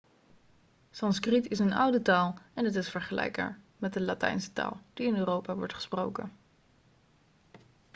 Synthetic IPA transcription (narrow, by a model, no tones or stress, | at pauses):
sɑnskritɪsənawdətaːlˠɛnətɪsfəɹχəlɛ̰jk̚a̰ːɹ | mɛt̚dəlatɛ̰jnsə̥ta̰ːlˠd̥iɪnøːrowpaʋɔɹtχə̥sprowkə̰n